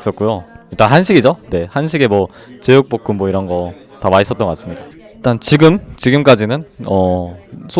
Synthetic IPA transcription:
s͈ʌt̚k͈ujoiɭt͈anɦanɕʰiɡid͡ʑone̞hanɕ̬ʰiɡe̞mwʌ | t͡ɕejuk̚p͈ok͈ʰummwʌiɾʌnɡʌ | tamaɕis͈ʌt͈ʌŋɡʌk͈ːas͈ɯmɲiɡa | it͈ant͡ɕiɡɯmt͡ɕiɡɯmk͈ad͡ʑinɯnʌsʰ

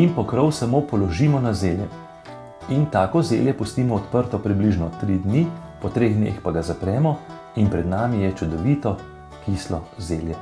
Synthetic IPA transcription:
inpɔkɾɔwsamopɔlɔʒiːmɔnazeːljɛ | int̪aːkɔzḛːljɛpust̪iːmɔɔt̪pəɾt̪ɔpɾibliʒnɔt̪ɾid̪nipɔt̪ɾeːɣd̪nḛxpaɡazapɾɛːmɔ | inpɾɛd̪naːmijɛt͡ʃud̪ɔʋiːt̪ɔ | kiːslɔzeːljɛ

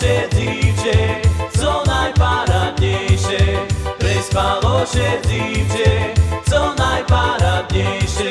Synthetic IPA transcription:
ɛzift͡ʃɛt͡sɔnajpaɾad̪ɲɛjʃɛpɾɛjspalɔʃɛzift͡ʃɛt͡sɔnajpaɾad̪ɲɛjʃɛ

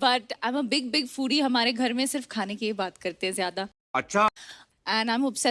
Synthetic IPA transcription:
bɐʈãɪ̃məbɪɡ̚bɪɡfuːɽiɦɐmaːɾeɡʱɐɾmẽsɪɾfkʰaːnekiibaːt̪kɐɾt̪ẽɦɛ̃zjaːd̪a | ɐtːʃʰa | ɛ̃nãɪ̃mʊpsɛ

